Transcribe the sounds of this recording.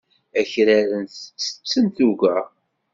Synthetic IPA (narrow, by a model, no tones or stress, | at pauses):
æçɾæɾənθət͡sːə̥t͡sːənθuɡæ